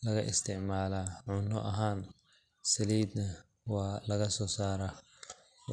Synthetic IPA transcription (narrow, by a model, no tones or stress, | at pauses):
lɐɣɐ̰ʔɪst̪ʰɪʕmaːlaːʕʊnɔʔɐɦaːn | sɐliːd̪nɐ | wɑːlɐɣɐsɔːsaːɾa